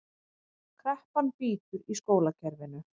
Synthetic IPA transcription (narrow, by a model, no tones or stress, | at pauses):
kʰɾɛhpanpiːt̪ʏɾiskoːwlacʰɛɾvɪnʏ